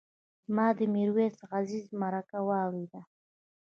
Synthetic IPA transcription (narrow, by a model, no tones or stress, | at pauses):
mɑd̪əmiɾwesɣazizmaɾakawɑwɾed̪a